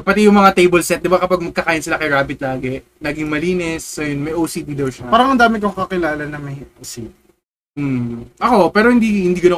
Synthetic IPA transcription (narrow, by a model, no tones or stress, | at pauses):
pɐt̪ijʊŋmɐŋat̪ejbɛlsɛt̪̚d̪ɪbakɐpaɡ̚mɐɡ̚kɐkaːjɪnsɪlakɐjɾaːbɪt̪̚laːɡɛ | nɐɡɪŋmɐliːnɛsːojonmɐjʔoːsid̪iːd̪ɐwʃɐpaːɾɐŋɐnd̪aːmɪk̬okɐkɪlaːlɐnɐŋmɐjosid̪i | m̩ʔɐko̞pɛːɾohɪnd̪iːhɪnd̪iːɡɐno